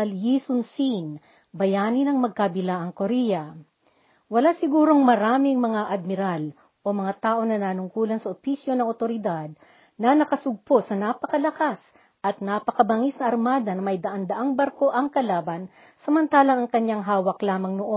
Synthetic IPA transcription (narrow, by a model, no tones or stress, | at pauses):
ɐljisʊnsin | bɐjaːnɪnɐŋmɐɡ̚kabɪlaʔɐŋkoɾɛjɐ | wɐlasɪɡuːɾo̞ŋmɐɾaːmɪŋmɐŋaʔɐd̪̚mɪɾal | ʔo̞mɐŋat̪aːʔo̞nɐnaːnʊŋkuːlɐnsɐʔopisjo̞nɐŋot̪o̞ɾɪd̪ad̪̚ | nɐnɐkɐsʊɡ̚po̞sɐnapɐkɐlɐkas | ʔɐt̪̚napɐkɐbɐŋisnɐʔɐɾmaːd̪ɐnɐmɐjd̪ɐʔand̪ɐʔaŋbɐɾko̞ʔɐŋkɐlaːbɐn | sɐmɐnt̪aːlɐŋɐŋkɐɲaŋɦaːwɐklaːmɐŋnoʔo